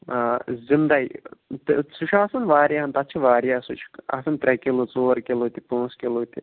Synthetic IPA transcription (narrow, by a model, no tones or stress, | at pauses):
zind̪ɐit̪suʃʰaːsɐnʋaːɾjaɦɐnt̪ɐtːt͡ʃʰiʋaːɾjaːsut͡ʃʰa̰sɐnt̪ɾʲekelut͡soːɾkʲelot̪ipõːskʲeloːt̪i